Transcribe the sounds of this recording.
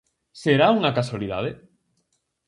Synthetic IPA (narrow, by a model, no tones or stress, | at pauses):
seɾauŋakaswaliða̰ðe